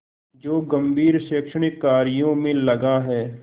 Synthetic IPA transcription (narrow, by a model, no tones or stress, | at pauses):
d͡ʒoːɡəmbʱiːɾʃeːkʃəɳ̃ɪkːaːɾɪjõmẽlɐɡaɦɛː